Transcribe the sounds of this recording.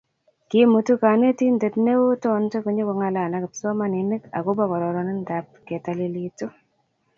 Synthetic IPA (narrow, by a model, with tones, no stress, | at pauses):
kimu˨tu˦ka˨ne˦ti˦nde˨tne˦wo˦tɔ˦nte˦ku˨ɲo˦ko˨ŋa˨la˨na˨kɪ˨pso˦ma˦ni˨nɪ˦ka̰˨ko˦ba˨kɔ˨ɾɔ˨ɾɔ˨ni˦nda˨p̚ke˨ta˨li˨li˨tu˦